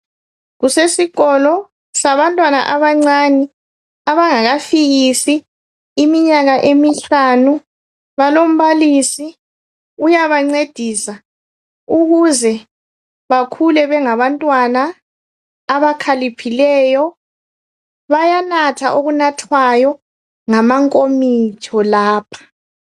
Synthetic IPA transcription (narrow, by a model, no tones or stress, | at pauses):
ɣusesiɣɔlɔ | saβantʼwana̰ʔaβaŋ͡ǀanɛ | aβaŋaɣafiɣisiː | miɲaɣaʔemiɬanu | βalom̩βaliːsi | ujaβaŋ͡ǀed̥ʱiːsa | uɣuzɛ | βakʰulɛβɛŋaβantʼwanaː | βakʰalipʰilɛːjɔ | βajanatʰaʔoɣunatʰwajɔ | ŋamaŋkʼomit͡ʃʰɔlaːpʰḁ